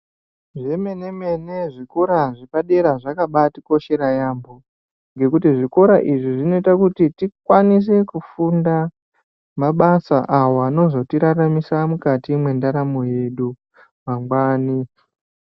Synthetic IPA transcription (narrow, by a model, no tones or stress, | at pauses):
ʐeme̞ne̞me̞neʐiko̞ɾaʐipaɗe̞ɾaʐakaɓatiko̞ʃe̞ɾajambo | ŋɡe̞kutiʐiko̞ɾaʔiʐiʐino̞itakutitikwanis̬e̞kufunda | maɓasaʔawaːno̞zo̞tiɾaramisamukatimwe̞ndaɾamo̞je̞ɗu | maŋɡwaːni